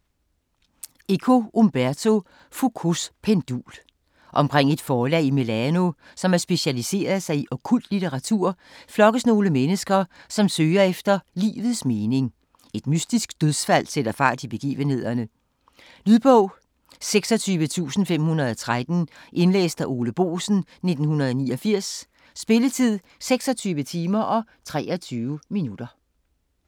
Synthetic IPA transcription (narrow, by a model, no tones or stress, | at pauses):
e̝kʰo̝ʔomb̥æɐt͡sʰo̝ | fokʰospʰend̥ṵːl | ʔɒ̽mkʰʁeŋ̰e̝d̥fɒːlɛ̰ːime̝læno̝ | sɒ̽mæɐsb̥e̝ɕælise̝̰ːɐðˠsɑ̈ɪiʔɒ̽kʰul̰d̥lit͡sʰeʁɑ̈t͡sʰuɐ̰ | flɒ̽ɡ̥əsno̝ːləmenəsɡ̥ɐsɒ̽msøːɐefd̥ɐlḭːʋð̩ˠsme̝ːne̝ŋ | e̝d̥mysd̥isɡ̥̚d̥øðˠsfæl̰sed̥ɐfɑ̈ːd̥ib̥e̝ɡ̥ḭːʋənhe̝ð̞̰ˠɐnə | lyðˠb̥ɔʊ̰ | seɡ̥sɒ̽t͡sʰyːʋət͡sʰṵːsn̩fem̰hunɐðˠɒt͡sʰʁad̥n̩ʔe̝nlḛːsd̥æʔo̝ːləb̥o̝̰ːsn̩ne̝d̥n̩ɦunɐð̞̩ˠɒniːɒfiɐ̰sː | b̥e̝lət͡sʰið̰ˠ | seɡ̥sɒ̽t͡sʰyːʋət͡sʰiːmɐʔɒ̽ | t͡sʰʁɛːɒt͡sʰyːʊminud̥ɐ